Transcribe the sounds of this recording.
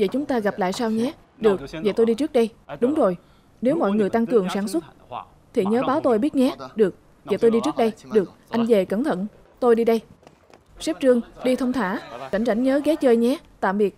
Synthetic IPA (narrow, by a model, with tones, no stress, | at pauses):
vḛ˧˨˩t͡ɕʊ˨˦ŋ͡mt̪aː˧ɣa˨˩p̚la̰ː˧˨jsaː˧wɲɛ˨˦ | ɗɨ˨˩ək̚vḛ˧˩t̪o˧jɗi˧t͡ɕɨ˦˥k̚ɗə˧jɗʊ˨˦ŋ͡mzo˨˩j | ne˨˦wmɔ̰˧˨jŋɨ˨˩əjt̪a˧ŋt̪ɨ˨˩əŋsaː˧˩nswə˦˥t̚ | t̪ʰi˨˩ɲəː˨˦ɓaː˨˦wt̪o˧jɓi˦˥ət̚ɲɛ˨˦ɗɨ˨˩ək̚ | vḛ˧˩t̪o˧jɗi˧t͡ɕɨ˦˥k̚ɗə˧jɗɨ˨˩ək̚ʔa˧jŋ̟ve˨˩kə˧˩nt̪ʰə̰˧˨n | t̪o˧jɗi˧ɗə˧j | sɛ˦˥p̚t͡ɕɨ˧əŋɗi˧t̪ʰə˧wŋ͡mt̪ʰaː˧˩t͡ɕa̰˧˩jŋ̟t͡ɕa˧˩jŋ̟ɲəː˨˦ɣɛ˨˦t͡ɕəː˧jɲɛ˨˦t̪a̰ː˧˨mɓi˨˩ət̚